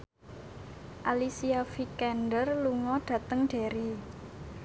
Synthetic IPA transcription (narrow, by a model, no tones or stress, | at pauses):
ʔalisiafikɛnɖərluŋɔɖ̥ä̤t̪əŋɖ̥e̤ɾi